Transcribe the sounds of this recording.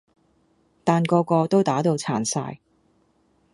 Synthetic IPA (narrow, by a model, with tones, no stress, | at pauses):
t̪aː˨˩nkɔː˧kɔː˧t̪o˥wt̪aː˨˥t̪o˨˧wt͡sʰaː˨˩nsa̰ː˧j